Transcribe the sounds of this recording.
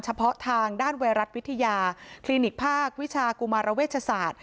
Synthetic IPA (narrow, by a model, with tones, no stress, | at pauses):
nt͡ɕʰa˧pʰɔ˦˥t̪ʰaː˧ŋdaː˥˩nwa˧ɾa˦˥t̪̚wi˦˥t̪ʰːa˧jaː˧kʰliː˧ni˨˩k̚pʰaː˥˩k̚wi˦˥t͡ɕʰaː˧ku˧maː˧ɾa˧weː˥˩t̪̚t͡ɕʰa˧saː˨˩t̪̚